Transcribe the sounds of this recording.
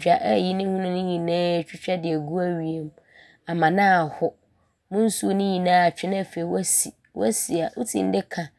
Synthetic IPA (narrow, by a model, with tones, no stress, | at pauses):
a˨ʔji˦nɪ̃˦hũ˦nʊ̃˦nɪ̃˦ɲĩ˨nãː˦˨t͡ɕᶣɪ˦t͡ɕᶣɛ˦dɪ˨æ˨ɡu˦æ˦ɥi˨e˦m | a˨mã˨nãː˦a˨hʊ˦ | mʊ̃˦n̩˦su˦o˦nɪ̃˦ɲĩ˨nãː˦a˨t͡ɕᶣɪ˦nã˦˨fe˨i˨wa˦sḭ˨ | wɔ˦si˨a˨ʔʊ˦tʰḭ̃˨n̩˦dɪ˦kʰã˨